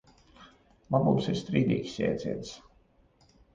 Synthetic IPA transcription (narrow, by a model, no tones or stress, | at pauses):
labṵːmsiɾst̪ɾiːd̪ʲḭːkʲsʲjɛ̰ːd̪zʲiɛt̪s